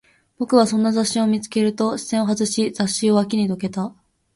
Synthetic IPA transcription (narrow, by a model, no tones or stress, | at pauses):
b̥o̞kɯ̟β̞asõ̞nːazaɕːio̞mʲit͡sɨ̥ke̞ɾɯ̟t̪o̞ɕi̥sẽoɦazɨɕizaɕːio̞βak̬ʲiɲ̟id̪o̞ke̞t̪a